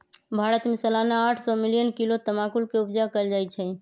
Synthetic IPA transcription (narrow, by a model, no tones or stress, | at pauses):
bʱaɾət̪misəlanaaʈʰsɔmilijənkilot̪əmakulkeubd͡ʒakəld͡ʒajt͡ʃʰɛ